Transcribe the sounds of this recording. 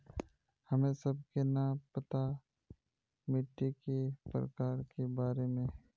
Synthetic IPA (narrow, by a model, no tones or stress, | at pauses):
hɐmẽsɐb̚kenɐpɐt̪a | mɪʈːikepɾə̰kaːɾkebaːɾemẽː